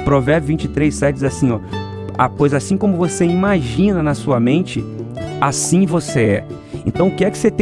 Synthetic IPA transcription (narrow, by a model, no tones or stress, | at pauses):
pɾovɛɾbʊvĩnt͡ʃɪt̪ɾejssɛd͡ʒizasĩɲɔ | ɐkojzɐasĩkõmʊvoseimaʒĩnɐnɐsuɐmẽnt͡ʃɪasĩvoseɛ | ḛ̃nt̪ɐ̃w̃ʊkɪɛkɪ̥set̪ẽ